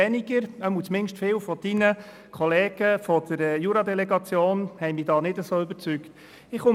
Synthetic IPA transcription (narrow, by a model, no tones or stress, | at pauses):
ɛniɡ̥əɾəmut͡smɪnʃtfɪːwfɔd̥inə | kʰɔleːɡ̥əfɔd̥əɾɛjuɾɑd̪ɛlɛɡɑt͡sjoːnhɛjmɪːdɑːnɪdəsoːʏbəɾt͡sykt | ɪχʊ